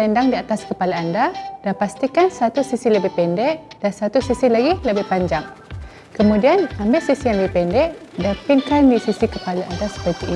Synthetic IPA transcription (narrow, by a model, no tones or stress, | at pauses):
ɛndaŋdiat̪askəpalaandadapast̪ikansat̪usisiləbɪhpɛndɛʔd̥ansat̪usisilaɡiləbɪhpaɲd͡ʒaŋ | kəmũdianambɪʔsisijaŋləbɪhpɛndɛʔdapiŋkandisisikəpalaʔandasə̥pət̪ii